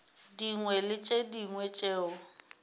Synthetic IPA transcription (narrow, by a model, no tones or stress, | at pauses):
diŋwɛlɪt͡ʃʼediŋwɛt͡ʃʼeːʊ